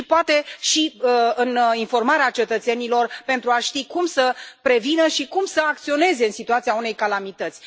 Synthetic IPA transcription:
poat̪e̞ʃiɨninfo̞rmaɾeat͡ʃe̞t̪ət̪se̞nilo̞rpe̞nt̪ɾuaʃt̪ikumsəpɾe̞vinəʃikumsəak̚t̪sio̞ne̞ze̞ɨnsit̪uat̪siaune̞jkalamit̪ət̪sʲ

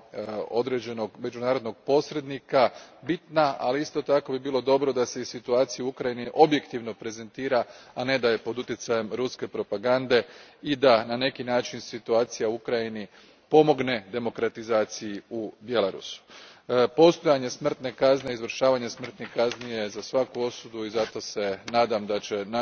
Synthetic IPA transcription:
o̞d̪ɾe̞d͡ʑe̞no̞ɡme̞d͡ʒunaːɾo̞d̪no̞ɡ̚po̞sɾe̞d̪nikabit̪naʔa̰liist̪o̞t̪ako̞bibiːlo̞d̪o̞bɾo̞d̪ase̞isit̪uaːt̪sijuukɾajiniʔo̞bje̞kt̪iʋno̞pɾe̞ze̞nt̪iːɾaane̞d̪ajepo̞d̪ut̪jet̪saje̞mɾuske̞pɾo̞paɡand̪e̞id̪anane̞kinaːt͡ʃinsit̪uaːt̪sijauukɾajini | po̞mo̞ɡne̞d̪e̞mo̞kɾat̪izaːt̪sijiubje̞laɾṵsu̥po̞st̪o̞jaɲe̞smr̩t̪ne̞kazneizʋr̩ʃaːʋaɲesmr̩t̪nekaznije̞zasʋakuo̞sud̪uizat̪o̞se̞naːd̪amd̪at͡ɕe̞na

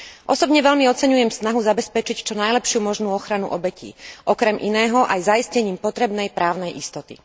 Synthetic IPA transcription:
ʔɔsɔbɲɛʋɛʎmiɔt͡sɛɲujɛmsnaɦuzabɛspɛt͡ʃict͡ʃɔnajlɛpʃɪumɔʒnuːɔxɾanṵʔɔbɛcḭːʔɔkɾɛmʔinɛːɦɔʔajzaiscɛɲiːmpɔt̪ɾɛbnɛjpɾaːʊnɛjʔist̪ɔt̪ḭ

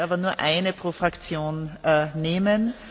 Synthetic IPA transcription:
aːbɐnuːɐʔaɪnəpʁ̥oːfʁakt͡sjoːnːneːmən

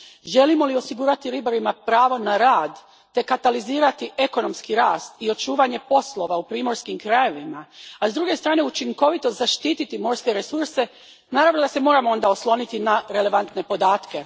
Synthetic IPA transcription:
ʒe̞limo̞lio̞siɡuːɾat̪iɾibaɾimapɾaːʋo̞naɾaːd̪ː | e̞kat̪aliziːɾat̪iʔe̞ko̞no̞mskiɾaːst̪io̞t͡ʃuːʋaɲe̞po̞slˠo̞ʋaupɾiːmo̞ɾskimkɾaje̞ʋimaazd̪ɾuːɡe̞st̪ɾaːne̞ut͡ʃiŋko̞ʋit̪ozaʃt̪iːt̪it̪imo̞ɾske̞ɾesuɾse̞ | naːɾaʋnod̪ase̞mo̞ɾamoo̞nd̪aoslˠo̞nit̪inaɾele̞ʋant̪ne̞po̞d̪aːt̪ke̞

